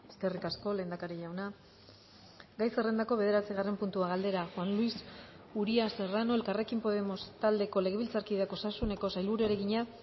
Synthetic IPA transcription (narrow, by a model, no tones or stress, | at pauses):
e̞ske̞rikasko̞le̞ːnd̪akaɾiʝawna | ɡajsere̞nd̪ako̞βe̞ð̞e̞ɾat͡siɣ̞are̞mpunt̪uaɣald̪e̞ɾaxwanluis | uɾiaserano̞e̞lkare̞kimpo̞ð̞e̞mo̞st̪ald̪e̞ko̞le̞ɣeβilt͡saɾkiðeakosasune̞ko̞sajlβuɾueɾe̞ɣiɲa